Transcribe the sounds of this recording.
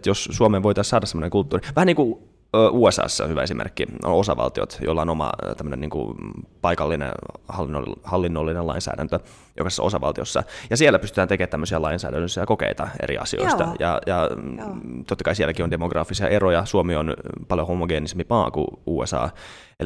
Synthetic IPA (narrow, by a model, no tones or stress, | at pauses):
t̪jossuomeːʋoit̪ɑːssɑːdɑsemːonekult̪ːuːriʋæhæniːŋkuː | ʔuːesɑ̰ːsːɑ̰hyʋæe̞simʔḛrkːio̰nosɑʋɑ̰lt̪io̰t̪jo̰lːɑonomɑ̰t̪æmːøənenḭːŋkṵpɑikɑlːinḛhɑlːino̰hɑlːinːolːinenlɑ̰insæ̰ːdænt̪ø | jʔokɑse̥sːɑ̰o̞sɑʋɑlt̪iosːɑ̰jɑsielːæpyst̪yt̪æːnt̪ekeːt̪ːæmːøsiɑlɑinsæ̰ːdænːøsːæjɑkokḛit̪ɑḛɾḭɑ̰sio̰ist̪ɑjɑ̰jɑ | t̪ot̪ːɑkɑisielækiondemoɡrɑːfːisiɑ̰ʔerojɑsuomionpɑljohomoɡeːnisempipɑːkṵuːesɑ̰ː | ḛl